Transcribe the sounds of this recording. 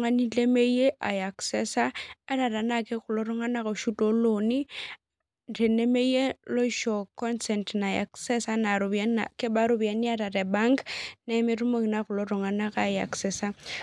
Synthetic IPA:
ŋa˦ni˦le˦me˦i˦e˦ʔa˨ja˨ksɛ˦saː˦ɾa˨ɾa˨na˨kɛ˦ɣʊ˨lo˦ɾɔ˦ŋa˦na˦ko˨ʃu˦tʼo˦lo˨ni˦ | re˨ne˦me˦je˦lo˦ʃɔ˨kɔ˦nsɛ˨ntna˨a̰˨ksɛ˦sa˦na˨ɾo˨ba˦a̰˨kɛ˦ba˦ɾu˦ba˨ni˦a˦ɾa˨ɾɛ˨ba˦ŋkna˦me˦ru˦mo˦i˨na˦ɣʊ˨lo˦ɾɔ˨ŋa˨na˦ka˦˨ja̰˨ksɛsa˦

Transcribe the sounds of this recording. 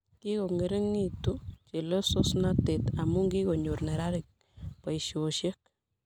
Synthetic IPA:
ki˦ɣo˨ŋe˨ɾe˦ŋːi˦tu˦t͡ʃe˨lo˦so˦snate˨t̪a˨mu˦ŋɡi˦ɣo˨ɲo˨rne˨ɾa˦ɾik̚ | pa˨iʃoʃe˦k̚

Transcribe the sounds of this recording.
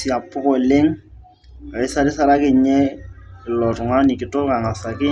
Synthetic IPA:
si˨a˨pʊ˦kɔ˦˨lɪ˦ŋ | a˨ɪ˦sa˦ɾɪ˦sa˦ɾa˦kɪ˦ɲɛ˦kɪ˨lɔ˨tʊ˨ŋa˦ni˨kɪ˨tʊ˦ka˨ŋa˨sa˨kɪ˦

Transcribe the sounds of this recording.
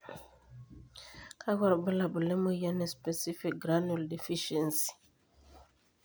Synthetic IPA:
kʰa˦ɡa˨ɾbu˦la˨bu˨lɛ˦mo˦ja˦nɛ˨spɛ˨si˦fi˨k̚ɡɾa˦nu˨ldi˨fi˦ʃɛ˨nsi̥˨

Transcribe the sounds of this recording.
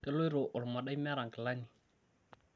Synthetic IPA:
kɛ˦lo˦i˦ɾɔ˨ʔʊ˨lʊ˨ma˨da˦i˦mɛ˦ɾa˨ŋkɛ˨la˦ni˨

